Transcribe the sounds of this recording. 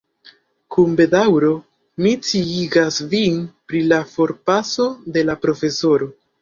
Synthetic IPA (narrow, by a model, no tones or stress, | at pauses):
kumbe̞dawɾo̞ | mit͡siiɡasvinpɾilafo̞ɾpaso̞de̞lapɾo̞fe̞so̞ɾo̞